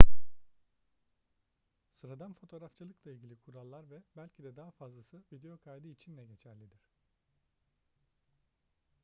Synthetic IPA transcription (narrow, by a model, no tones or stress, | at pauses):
suɾad̪anfo̞t̪ʰo̞ɾaft͡ʃʰɯlˠɯklˠailʲɟʲilʲikʰuɾalˠːaɾvɛbælʲcʰid̪ɛd̪aːafazlˠasɯvid̪e̞jokʰajd̪ɯit͡ʃʰinlʲɛɟe̞t͡ʃʰæɾlʲid̪iɾ̝̥